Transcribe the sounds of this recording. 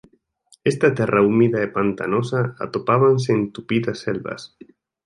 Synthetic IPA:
est̪at̪ɛrʔaumiðaepant̪a̰nosaa̰t̪opaβans̬eːnt̪upiðasːelβa̰s

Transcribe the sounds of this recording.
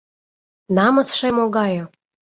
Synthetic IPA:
nɑməsʃemoɡɑjo

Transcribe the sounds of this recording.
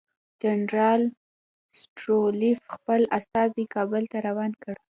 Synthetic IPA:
d͡ʒanɾɑl | sʈɾolifxpəlast̪ɑzikɑbəlt̪aɾawɑnkəɽ

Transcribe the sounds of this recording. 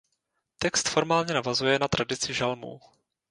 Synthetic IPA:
t̪ɛkst̪fo̞ɾmaːlɲɛnavazujɛnat̪ɾʔadɪt͡sɪʒalmṵ

